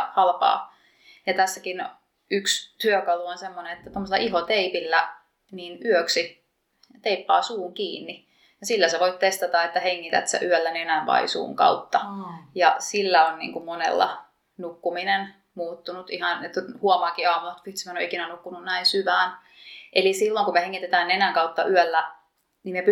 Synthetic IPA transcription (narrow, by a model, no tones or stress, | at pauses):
hɑlpɑ̰ː | jɑt̪æsːækin | ykst̪yøkɑluonsemːonenet̪ːæt̪omːoselɑʔiɦot̪eipilːæ | niːnyøksi | t̪eipːɑːsuːŋkiːnːi | jɑsilːæseʋoit̪t̪est̪ɑt̪ɑet̪ːæheŋːit̪æ̰t̪sḛʔyølːænenæʋʋɑ̰ḭsṵːŋkɑ̰ut̪ːɑjɑsilːæonːnḭːŋkummonḛlːɑ̰ | nukːuminen | muːt̪ːunut̪ihɑnet̪huɑmɑːŋkiɑːmuɑt̪ʋit̪smeno̰ikinænukːununnæinsyʋæːn | ʔelisilːoŋkumeheŋːit̪et̪æːnenæŋkɑut̪ːɑʔyølːæ | nimep